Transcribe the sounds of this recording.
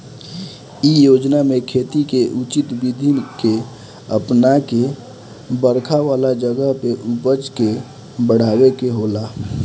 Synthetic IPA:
ijod͡ʒnamẽkʰet̪ikeʔut͡ʃit̪bid̪ʱinke | əpnake | bəɾkʰaʋaːlad͡ʒəɡəɦpeʔupət͡ʃke | bəɽ̤aːwekeɦola

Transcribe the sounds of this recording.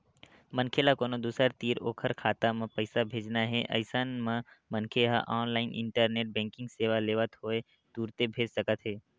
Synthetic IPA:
mənkʰelakoːnod̪uːsəɾt̪iːɾoːkʰəɾkʰaːt̪amẽpəɪsabʱeːd͡ʒnaɦɛʔə̰ɪsanmãmənkʰeɦa̰ʔaːnlaːɪnʔɪ̰̃ɳʈəɾneːʈ̚bɛ̃ːŋkɪ̃ŋɡseːʋaleːʋət̪ɦoːe | d̪̥uːɾt̪ebʱeːd͡ʒsəkət̪ɦɛː

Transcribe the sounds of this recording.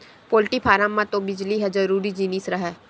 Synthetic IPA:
poːlʈipʰaːɾamːãt̪õbɪd͡ʒliɦɛd͡ʒəɾuːɾid͡ʒiːnisɾəɦɛː

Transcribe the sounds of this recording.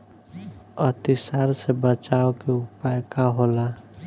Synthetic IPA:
ət̪ɪsaɾsebət͡ʃaːokeʊpajkaɦoːla

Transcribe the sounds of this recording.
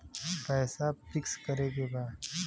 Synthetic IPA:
pɛːsafɪkskɐɾeɡebaː

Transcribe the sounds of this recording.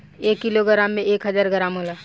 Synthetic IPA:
eːkːiloɡəɾaːmːẽeːkɦəzaːɾɡəɾaːmɦolaː

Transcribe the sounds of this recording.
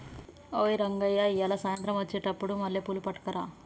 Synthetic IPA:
oːiɾɐŋɡɐjːaijɐlɐsaːjɐnt̪ɾɐmʋɐt͡ʃːeːʈɐpːuɽumɐlːipulupɐʈːɐ̥kɐɾa

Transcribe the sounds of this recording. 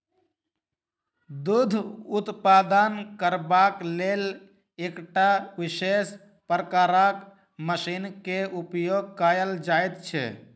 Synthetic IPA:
d̪ud̪ʱut̪pad̪ənkəɾbaklel | ekʈaʋiʃes | pɾəkaɾak | məsinkeupjoɡ̚kajəld͡ʒajt̪t͡ʃʰɛ̰

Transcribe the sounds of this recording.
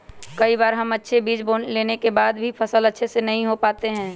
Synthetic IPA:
kɐibaːɾɦɐmɐtːʃʰebiːd͡ʒboːnleːnekebaːd̪bʱipʰɐsəlɐtːʃʰesenɐɦĩɦopaːt̪eɦɛ̃ː

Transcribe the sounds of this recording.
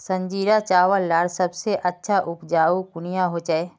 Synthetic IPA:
sɐ̃ɲd͡ʒiːɾat͡ʃaːʋəlːaːɽsɐbseʔɐtːʃʰaʔʊpd͡ʒaːukʊnɪjãɦot͡ʃaeː

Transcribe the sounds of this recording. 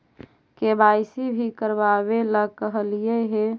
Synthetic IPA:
kebaɪsibʱikəɾbaβeləkəɦəlieɦe

